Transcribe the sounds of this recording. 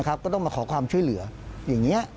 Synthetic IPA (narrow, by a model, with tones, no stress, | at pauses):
kʰa˦˥p̚kɔː˥˩t̪ɔ˥˩maː˧kʰɔː˩˦kʰwaː˧mt͡ɕʰu˥˩əjlɯ˩˦ɐjaː˨˩ŋːi˦˥ɐʔ